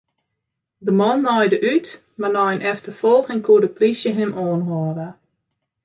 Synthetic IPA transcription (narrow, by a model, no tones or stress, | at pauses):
dəmɔnːɔjdəʔyt | marnɔjnʔɛftəfɔlˠɣɪŋkʰuədəplisjəɦɪmʔɔːnɦɔːɾə